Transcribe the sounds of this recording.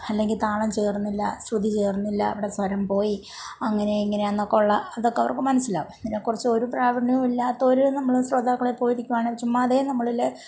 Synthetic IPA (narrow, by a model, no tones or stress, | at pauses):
ɐlːe̞ŋɡilt̪aːɭɐmt͡ɕe̞ːrnːilːɐsrud̪it͡ɕe̞ːrnːilːɐ̰ːʋiɽesʋɐɾɐmpo̞ːji | ɐŋːɐne̞iŋːɐne̞ɐnːokːeuɭːɐːðo̞kːeɐʋɐ̰rkːɨmɐnɐsːila̰ːʋɨenːɐnekːurɐt͡ɕːɨo̞ɾupraːʋɐrɳijumilːaːt̪ːoɾunɐmːɐɭusrɐd̪aːkːɐɭepːo̞ːjiɾikʲːuʋaːɳɨʋɐt͡ɕːumːɐðenɐmːɐɭile